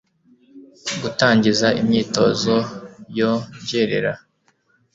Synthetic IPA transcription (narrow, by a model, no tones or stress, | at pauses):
ɡutaːɲɟizaʔimɲiːto̞ːzo̞joɲɟeɾe̞̰ɾa